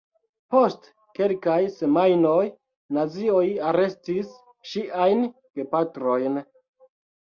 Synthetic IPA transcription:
po̞st | ke̞lkajse̞majno̞j | nazio̞jaɾe̞stis | ʃiʔajn | ɡ̥e̞patɾo̞jn

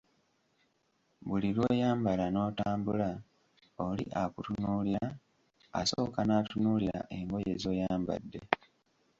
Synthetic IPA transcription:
βulilwe̞jaːmbalano̞ːtaːmbula | olḭʔakutunuːliɾa | a̰so̞ːkanatunuːliɾa̰ʔe̞ŋɡo̞je̞zo̞ːjaːmba̰dːe̞

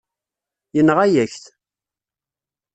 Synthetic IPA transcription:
jənʁæjæçθ

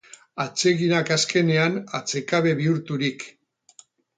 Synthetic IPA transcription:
at͡se̞ɣinakaske̞ne̞anat͡se̞kaβe̞βiuɾt̪uɾik

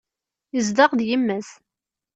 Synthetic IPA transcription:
jəzd̪ɑʁðjəmːæs

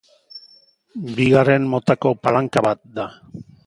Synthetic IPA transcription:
biɣare̞nmo̞t̪ako̞palaŋkaβat̪̚d̪a

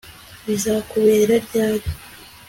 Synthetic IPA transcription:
βizakuβe̞ːɾaɾɟaːɾo

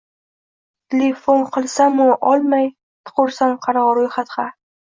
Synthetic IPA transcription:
t̪ʰʲelefonqʰɨlˠsamʊʔɒlˠmaj | t̪ʰʊ̥qʊɾsanqʰɑɾʁɑɾojχat̪χɑ

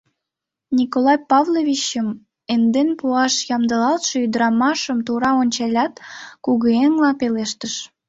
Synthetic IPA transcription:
nʲikolɑjpɑvlovit͡ɕəm | end̪enpuɑʃjɑmd̪əlɑlt̪ʃeyd̪əɾɑmɑʃəmt̪uɾɑonʲt͡ɕɑlʲɑt̪kuɣəeŋlɑpeleʃt̪əʃ

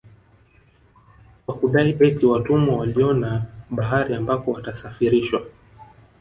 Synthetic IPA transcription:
kwakuɗaiʔɛtiwatumɔwaliɔnaɓaɦaɾiambapɔwatasafiɾiʃwa

